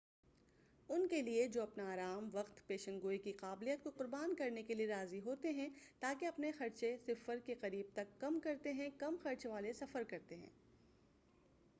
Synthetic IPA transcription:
ʊnkelied͡ʒoːɐpnaaːɾaːmʋɐqt̪peːʃə̃nɡoːikiqaːblijət̪̚koqʊɾbaːnkɐɾnekelieɾaːziɦoːt̪eɦɛ̃t̪aːkeɐpnexɐɾt͡ʃesɪfəɾkeqɐɾiːb̚t̪ɐkːɐmkɐɾt̪eɦɛ̃kɐmxɐɾt͡ʃʋaːlesɐfəɾkɐɾt̪eɦɛ̰̃ː

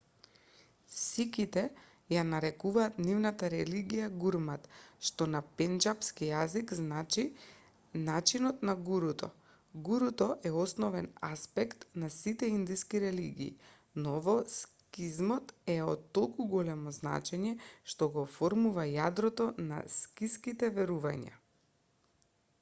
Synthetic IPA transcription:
sikit̪ɛ | janaɾɛkuvaːt̪nivnat̪aɾɛliɡijaɡuɾmat̪ʃt̪ɔnapɛnd͡ʒapskijazikznat͡ʃi | nat͡ʃinɔt̪naɡuɾut̪ɔ̰ | ɡuɾut̪ɔʔɛɔsnɔvɛnaspɛkt̪nasit̪ɛind̪iskiɾɛlḭɡḭː | nɔvɔs | kizmɔt̪ɛɔt̪ːolˠkuɡɔlɛmɔzna̰t͡ʃɛɲɛʃt̪ɔɡɔfɔɾmuvajad̪ɾɔt̪ɔna̰skiskit̪ɛvɛɾuvaɲa̰

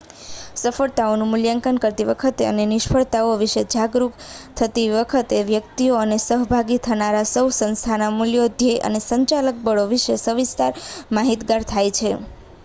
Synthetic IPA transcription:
səfəɭt̪aonũmʊljãŋkənkəɾt̪iʋəkʰət̪eə̰nenɪʃpʰəɭt̪aoʋiʃed͡ʒaɡɾukt̪ʰət̪iʋəkʰət̪eʋjəkt̪ioənesəɦbʱaɡit̪ʰənaɾasəwsə̃nst̪ʰanamuljod̪ʱjeʔə̰nesəɲt͡ʃalək̚bəɭoʋiʃesəʋist̪aɾmaɦit̪ɡaɾt̪ʰajt͡ʃʰe

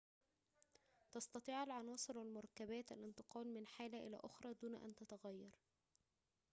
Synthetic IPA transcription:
t̪ɑst̪ɑt̪ˤiːʕalʕɑnɑːsˤɨɾwælmʊɾˤɑkːæbæːt̪æ̰lʔɪnt̪ɨqɑːlmɪnħaːlæʔɪlæ̰ːʔʊxɾˤɑːd̪uːnʔæ̰nt̪æt̪aɣæjːɑɾˤ

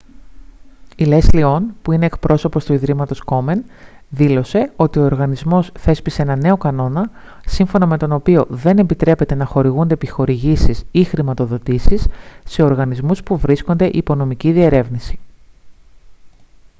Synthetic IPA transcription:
ile̞slio̞npuine̞ːkpɾo̞so̞po̞st̪uiðɾimɐt̪o̞sko̞me̞n | ðilo̞se̞o̞t̪io̞oɾɣɐnizmo̞sθe̞spise̞enɐne̞o̞kɐno̞nɐ | siɱfo̞nɐme̞t̪o̞no̞pio̞ðe̞ne̞mbit̪ɾe̞pe̞t̪e̞nɐxo̞ɾiɣund̪e̞pixo̞ɾiʝisisixɾimɐt̪o̞ðo̞t̪isisːe̞o̞ɾɣɐnizmuspuvɾisko̞nd̪e̞ʔiːpo̞no̞miciðie̞ɾe̞vnisi̥

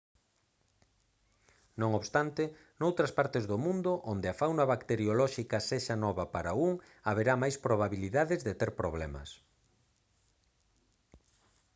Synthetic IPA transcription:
nõŋoβst̪ant̪ɪ | nowt̪ɾɐspaɾt̪ezðomũnd̪ʊʔond̪eafawnaβakt̪eɾjolɔʃikɐseʃanɔβɐpaɾauŋ | aβeɾamajspɾoβaβiliðaðɪzðet̪eɾpɾoβ̞lɛmɐ̰s

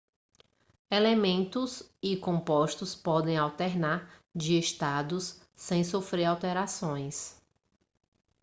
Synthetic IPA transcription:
elemẽnt̪ʊsikõmpɔʃt̪ʊspɔd̪ẽj̃awt̪ɛɾnaɾd͡ʒɪeʃt̪ad̪ʊsː | ẽj̃sofɾeɾawt̪ɛɾasõj̃s

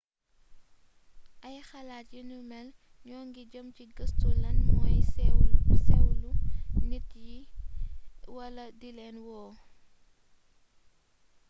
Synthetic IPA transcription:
ʔɐjxɐlaːt̚jinumɛl | ɲɔːŋɡiɟəmciɡɐstulɐnmɔːjsɛwsɛwlunit̚ji | wɐlɐdilɛnwɔː

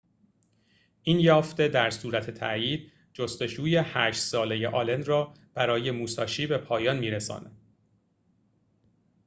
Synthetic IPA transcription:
ʔiːnjɒːft̪e̞d̪æɾsuːɾæt̪ʰe̞t̪ʰæ̰ʔjiːd̪̥̚ | d͡ʒost̪o̞d͡ʒuːje̞hæːʃt̪sɒːle̞je̞ʔɒːle̞nd̪rɒː | b̥æɾɒːje̞muːsɒːʃiːbe̞pʰɒːjɒːnmiːɾesɒ̰ːnæd̪̥

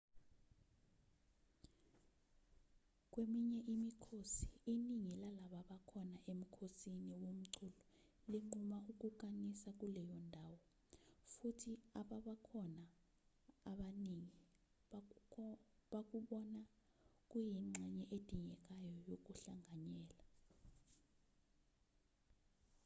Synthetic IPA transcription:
k̬wemiɲɛʔimikʰosi̥iniŋilalaɓaɓakʰɔnaʔem̩kʰosiniwom̩ǀʰulɔ | liŋ͡ǀumauk̬uk̬ʼanisak̬ulɛjɔndʱaːwɔ | futʰiaɓaɓakʰɔnaː | ɓaniŋi | ɓak̬uɓɔna | k̬ʼujiŋ͡ǀʱɛɲɛʔed̥ʱiŋɛk̬ajɔjok̬uɬaŋʱaɲɛːla

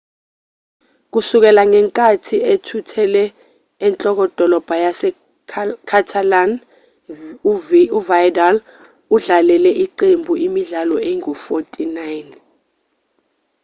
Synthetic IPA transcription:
k̬usuk̬ɛlaŋɛŋkʼatʰietʰutʰɛlɛː | nt͡ɬʼɔk̬ɔd̥ʱɔlɔb̥ʱajasɛ | kʰatʰalan | uvajdal | uɮalɛlɛʔiǃembʱuʔimiɮalɔɛŋɔfotʼinajn

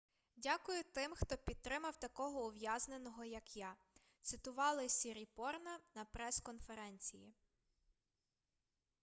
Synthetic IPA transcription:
dʲakʊjʊt̪ɪmxt̪ɔpʲid̪̚t̪ːɾɪmɐwt̪ɐkɔɦɔʊʋjazne̞nɔɦɔjɐkja | t̪sɪt̪ʊʋɑlˠɪsʲiɾʲipɔrnɐnɐpɾɛskɔnfeɾɛnʲt͡sʲiji

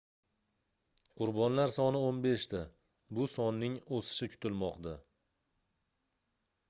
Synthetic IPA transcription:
qʰʊɾbɒnlaɾsɒnɪonbe̞ʃt̪ɪ | bʊsɒnːɪŋosɪ̥ʃɪkʰʊ̥t̪ɪlmɒqd̪a

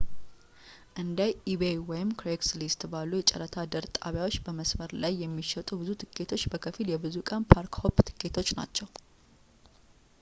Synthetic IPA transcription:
ʔɨnd̪ajʔibejwɔjɪmkɾekslist̪balːujɛt͡ʃʼɛ̰ɾət̪ʰad̪əɾt̪ʼa̰βjawo̞t͡ʃːbəməsməɾlajːɛmːiʃɛt̪ʼubɨzut̪ʰɨkʰʼːe̞t̪ʰo̞t͡ʃːbəkʰəfiljɛbɨzukʼənpʰaɾkho̞pt̪ʰɨ̥kʰʼːet̪ʰo̞t͡ʃːna̰t͡ʃːɛw

